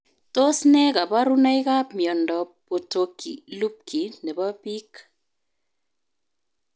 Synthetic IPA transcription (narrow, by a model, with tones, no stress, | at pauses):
to˦snɛ˦ka˨ba˦ɾu˦na˦i˦ka˦pmjɔ˨ndɔ˨po˨to˨kʰḭ˨lu˦p̚kʰi˨nɛ˨ba˦pi˦k